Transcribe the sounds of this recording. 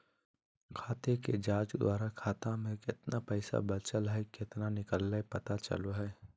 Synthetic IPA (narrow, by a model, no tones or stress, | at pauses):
kʰaːt̪eked͡ʒaːd͡ʒd̪wʔaːɾakʰaːt̪ãmẽkɪt̪napɛɪsa̰bət͡ʃəlɦɛkɪt̪nanɪkəlːaepɐt̪at͡ʃə̰loɦɛː